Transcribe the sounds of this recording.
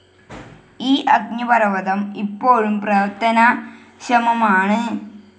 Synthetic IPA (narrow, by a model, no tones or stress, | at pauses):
iːʔɐɡ̚ɲɐpɐrɐʋɐðɐmipːoːɻumprɐt̪ːɐnɐ | ɕɐmɐmaːɳɨ